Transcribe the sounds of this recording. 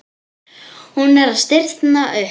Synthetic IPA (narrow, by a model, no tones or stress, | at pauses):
hunɛɾaðst̪ɪr̥t̪naʔʏ